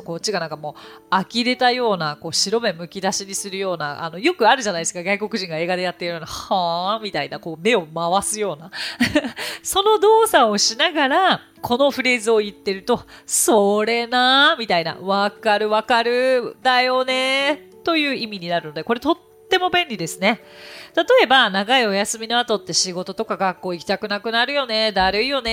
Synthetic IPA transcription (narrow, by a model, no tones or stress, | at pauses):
ko̞ːt͡ɕiɡanãŋkamo̞ː | akʲiɾe̞t̪ajo̞ːnako̞ːɕiɾo̞me̞mɯ̟kʲid̪aɕiɲ̟isɨɾɯ̟jo̞ːna̰ʔa̰no̞jo̞kɯ̟aɾɯ̟ʑanaid̪esɨ̥kaɡaiko̞kɯ̟ʑĩŋɡae̞ːɡad̪e̞jat̪ːeɾɯjonahamʲit̪ainako̞ːme̞o̞maβasɨjo̞ːna | so̞no̞d̪o̞ːsao̞ɕinaɡaɾa | kʰo̞no̞ɸɯ̟ɾe̞ːzɨo̞ɯt̪ːe̞ɾɯ̟t̪o̞soɾe̞namʲit̪aina̰βakaɾɯ̟βakaɾɯ̟d̪ajo̞ne̞ | t̪o̞jɯ̟ːimʲiɲ̟inaɾɯ̟no̞d̪e̞ko̞ɾe̞t̪o̞t̪ːe̞mo̞bẽ̞nʲɾʲid̪e̞sɨne̞ | t̪at̪o̞e̞banaɡaio̞jasɨmʲino̞at̪o̞t̪ːe̞ɕiɡo̞t̪o̞t̪o̞kaɡakːo̞ːikʲi̥t̪akɯ̟nakɯ̟naɾɯ̟jo̞ne̞d̪aɾɯ̟ijo̞ne